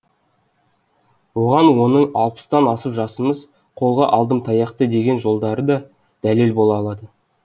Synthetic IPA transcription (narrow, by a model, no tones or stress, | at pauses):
woʁɑnwo̞nəɴɑlˠpə̥st̪ɑnɑsəpʒɑsəməz | qʰo̞lˠʁɑʔɑlˠd̪əmt̪ʰɑjɑqt̪əd̪e̞ɡʲe̞nʒo̞lˠd̪ɑɾəd̪ɑ | d̪̥æle̞lbo̞lˠɑːlˠɑd̪ə